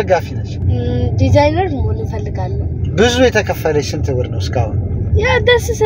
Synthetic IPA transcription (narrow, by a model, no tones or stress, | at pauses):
əɡafinət͡ʃːd̪izajnəɾməhonɨnfəlːɨɡalːəhubɨzujɛt̪ʰəkʰəfːələʃɪnt̪ʰɨwəɾnəwskʼahʊnjad̪əsɨsɨ